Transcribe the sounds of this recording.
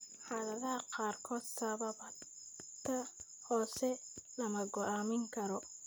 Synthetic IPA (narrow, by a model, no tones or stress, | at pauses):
ħɑːðɐðɐɦɐqɑːrkʰɔːd̪sɐβɐβ | t̪ʰɐ | hɔːsɛlɐmɐɡɔʔaːmɪŋkʰɐɾɔ